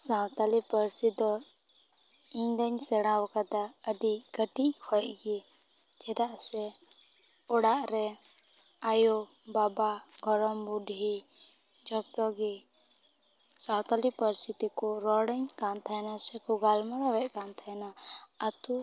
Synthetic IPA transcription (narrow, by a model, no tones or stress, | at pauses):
sawt̪alipəɾsid̪ɔ | ĩɲd̪əɲsɛɽ̃ãwkad̪aəɖiɡəʈiʔkʰɔjʔɡi | d͡ʒɛd̪aʔsɛ | ɔɽaʔɾɛ | ajo | babaɡʱɔɾɔmbuɖʱi | d͡ʒɔt̪ɔɡi | sawt̪alipəɾsit̪ikuɾɔɽəɲkant̪ʰajnasɛkuɡalmaɾɔwɛʔkant̪ʰajnaət̪u